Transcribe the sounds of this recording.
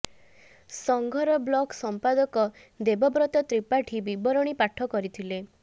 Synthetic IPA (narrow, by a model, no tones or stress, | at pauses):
sɔŋɡʱɔɾɔblɔksɔmpad̪ɔkɔ | d̪ebɔbɾɔt̪ɔt̪ɾipaʈʰibibɔɾɔɽ̃ipaʈʰɔkɔɾit̪ʰile